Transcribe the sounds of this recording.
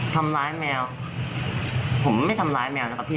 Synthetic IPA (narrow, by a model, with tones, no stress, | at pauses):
t̪ʰa˧mɾaː˦˥jmɛː˧w | pʰo˩˦ma˥˩jt̪ʰa˧mɾaː˦˥jmɛː˧wna˦˥ka˨˩pʰiː˥˩